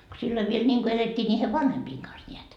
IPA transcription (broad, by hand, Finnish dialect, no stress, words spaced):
ko silːoi ʋiel nʲiŋko eletʲːiː nʲiːhe ʋɑnhempiːŋ kɑns nʲeæt